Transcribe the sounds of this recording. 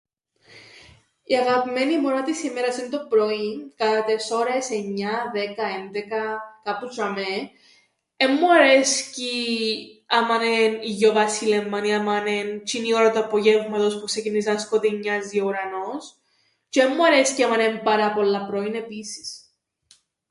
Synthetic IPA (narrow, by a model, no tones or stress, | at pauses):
iɐɣɐpimenimoɾɐt̪isimeɾɐsint̪opɾoinkɐt̪ɐt̪eso̞ɾe̞se̞ɲːɐðe̞kɐend̪ekɐkɐpusɾɐme | emːuɐɾesci | ɐmɐneniʝovɐsilemːɐniɐmɐnent͡ʃinioɾɐt̪uɐpoʝevmɐt̪ospuksecinisɐskot̪iɲːɐziouɾɐnos | ceemːuɐɾesciɐmɐnempɐɾɐpolːɐpɾoine̞pisi̥s